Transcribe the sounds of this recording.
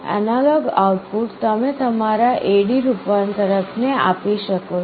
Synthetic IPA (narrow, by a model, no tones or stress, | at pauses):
ə̰nalɔɡauʈpuʈt̪əmet̪əmaɾaʔeɽiɾupʋant̪əɾəkʰnea̰piʃəko